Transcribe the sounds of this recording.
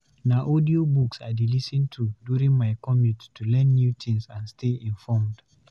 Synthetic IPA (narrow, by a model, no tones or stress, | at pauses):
naʔodiobuksaɪdelisə̃ntʰuduɹĩŋmaɪkʰɔmĩttʰulɛ̃nːjutʰĩŋsãnstʰeĩnfɔmd̥